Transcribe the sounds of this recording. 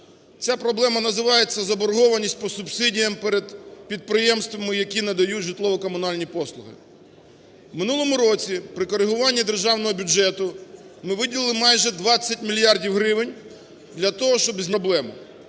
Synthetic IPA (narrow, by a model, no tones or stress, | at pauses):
t͡sʲapɾɔblˠɛmɐnɐzɪʋɑjet͡sʲːɐzɐbɔɾɦɔʋɐnʲisʲt̚ʲpɔsʊbsɪdʲijɐmpɛɾed̪pʲid̪̚pɾɪjɛmst̪ʋɐmɪjɐkʲinɐd̪ɐjutʲʒɪt̪lˠɔʋɔkɔmʊnɑlʲnʲipɔslˠʊɦɪ̰ | wmɪnulˠɔmʊɾɔt͡sʲipɾɪkɔɾɪɦʊʋɑnʲːid̪erʒɑwnɔɦɔbʲʊd͡ʒɛt̪ʊmɪʋɪdʲilˠɨlˠɪmɑjʒɛd̪ʋɑt͡sʲːɐtʲmʲilʲjɑrdʲiwɦɾɪʋɪnʲ | d̪lʲɐt̪ɔɦɔʃt͡ʃɔbzʲnʲblˠɛmʊ̰